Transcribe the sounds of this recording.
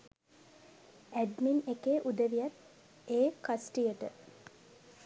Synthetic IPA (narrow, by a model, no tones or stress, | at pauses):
æɖminekeːʔud̪əʋijat̪ | eːkasʈijəʈə